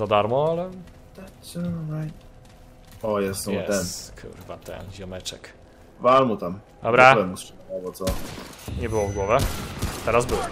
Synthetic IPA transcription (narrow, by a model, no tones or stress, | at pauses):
zad̪aɾmɔalɛ | t̪ɛsɔnajt̪ | ɔjɛsɔ̃ɛt̪ɛnkʰṵɾvat̪ɛ̰nʑamɛt͡ʂɛk | valmut̪am | d̪ɔbɾaɛmusabɔt̪sɔɲɛbɘwɔvɡwɔvʲɛt̪ɛɾazbɘw